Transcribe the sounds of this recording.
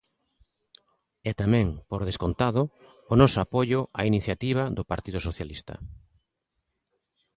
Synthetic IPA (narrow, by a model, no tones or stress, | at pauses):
ɛt̪amɛ̃ŋpoɾð̞eskont̪aðʊː | nɔsoapoʎʊʔainiθjat̪iβ̞aðʊpaɾt̪iðʊsoθjalist̪ɐ̰